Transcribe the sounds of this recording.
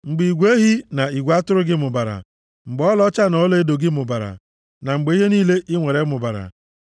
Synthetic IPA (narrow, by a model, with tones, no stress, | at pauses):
ŋ͡m̩˨ɡ͡bi˨ɡʷe˦ɦi˦na˨i˨ɡʷa˦tʊ˦ɾʊ˦ɡɪ˦mʊ˨ba˨ɾa̰˨ | ŋ͡m̩˨ɡ͡bɔ˦lɔ˦t͡ʃa˦nɔ˦le˦do˨ɡɪ˦mʊ˨ba˨ɾa̰˨ | na˨ŋ͡m̩˨ɡ͡be˨˦ɦe˦niː˦le˦ʔɪ˦ŋʷe˨ɾe˨˦mʊ˨ba˨ɾa̰˨